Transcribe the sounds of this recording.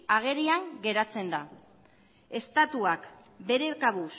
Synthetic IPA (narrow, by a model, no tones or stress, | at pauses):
aɣ̞e̞ɾiaŋɡe̞ɾat͡se̞nd̪a | e̞st̪at̪uak | be̞ɾe̞kaβus